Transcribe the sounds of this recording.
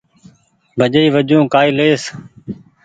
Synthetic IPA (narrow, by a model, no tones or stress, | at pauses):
bʱəd͡ʒəiːʋəd͡ʒõːkaːiːleːs